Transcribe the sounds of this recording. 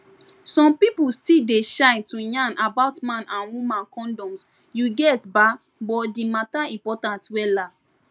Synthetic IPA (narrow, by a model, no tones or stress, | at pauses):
sɔ̃mpipustildeʃãɪ̃ntujãnʔabaʊtmãnãnwumãnkɔ̃ndɔ̃ms | juɡɛtba | bɔdimataĩmpɔtãntwɛla